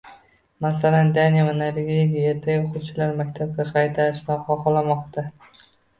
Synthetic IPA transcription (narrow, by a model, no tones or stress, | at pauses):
masaland̪anijavanaɾɪɡʲɡʲjet̪ʰajoqʰʊt͡ʃʰalaɾmakʲt̪ʰab̚ɡʲaqʰɑjt̪ʰaɾɪʃnaχɒqɒlˠamɒqt̪ʰa